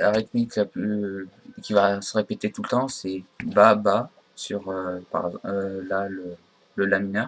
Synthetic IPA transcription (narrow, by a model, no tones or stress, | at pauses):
laʁit̪miklaplykʲivasəʁepet̪et̪ulət̪ɑ̃sɛbaba | syʁøpa̰ʁɛølalə | ləlaminœʁ